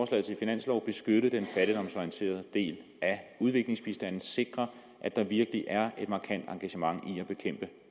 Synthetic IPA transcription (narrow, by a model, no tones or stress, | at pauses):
ɒːslɛ̰ð̩ˠt͡sʰe̝lfinæn̰slɒʊ̰b̥e̝sɡ̥øɾ̥əð̩ˠd̥enfæɾ̥id̥ɒ̽msɒient͡sʰe̝̰ːɐð̞̩ˠd̥e̝̰ːlʔæuð̞ˠʋe̝ɡ̥le̝ŋsb̥isd̥æn̰n̩ˠse̝ɡ̥ʁɐ | ʔæd̥ɑ̈ʋiɐɡ̥əliʔæɐe̝d̥mɑ̈ːkʰæn̰d̥ɑ̈ŋɡ̥æɕəmɑ̈ŋ̰iæb̥e̝kʰem̰b̥ə